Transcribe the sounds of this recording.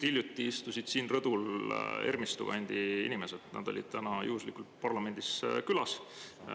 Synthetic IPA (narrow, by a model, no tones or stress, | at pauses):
t̪ilʲjut̪ˑːiist̪usid̪̥siːnrɤd̪̥ulḛrmist̪uɡ̥ɑ̰ɑnʲd̪̥iḭnime̞set̪nʔɑ̰d̪̥olʲḭd̪̥t̪ænɑjuuslikulpɑrlɑme̞nʲd̪̥iskylɑs